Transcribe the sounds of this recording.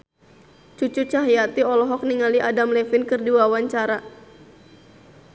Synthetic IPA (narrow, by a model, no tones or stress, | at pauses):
t͡ʃut͡ʃut͡ʃaɦjat̪iɔlɔɦɔk̚niŋaliʔadamlɛfɪnkɨrdiwawaɲt͡ʃaɾa